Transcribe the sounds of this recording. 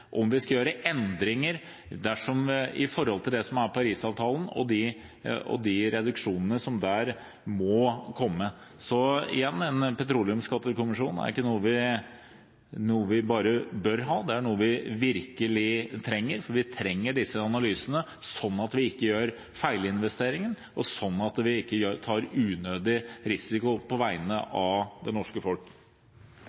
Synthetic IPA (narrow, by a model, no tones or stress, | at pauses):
ʔɔmʋɪskɑjøːɾəʔɛnd̪ɾɪŋəɾ | d̪æʂɔmɪ̰fɔɾhɔlt̪ʰɪld̪ɛsɔmæɾpʰɑɾiːsɑːʋt̪ʰɑːlən̩ɔ̰d̪ɪ | ɔ̰d̪ɪɾɛd̪ʉkʂuːnənəsɔmd̪æːɾ | mɔkʰɔmːə | sɔɪ̰jɛnːɛnpʰɛt̪ʰɾuːlɪəmskɑt̪ːəkʊmɪʂuːnæ̰ɾɪkːənuːəʋɪ | nuːəʋɪbɑːɾəbœɾɦɑːd̪ɛæɳuːəʋɪʋɪɾkəlɪt̪ʰɾɛŋːəɾfɔɾʋɪt̪ʰɾɛŋːəɖɪsːəɑnɑlyːsənə | sɔnːɑt̪ʋɪɪkːəjøːɾ | fæɪləɪnʋɛst̪eːɾɪŋən | ɔsɔnːɑt̪ʋɪɪkːəjøːt̪ʰɑːɾʉːnøːd̪ɪɾɪsɪkʊpʰɔʋæɪnə̰ʔɑʋd̪ɛnɔʂkəfɔlk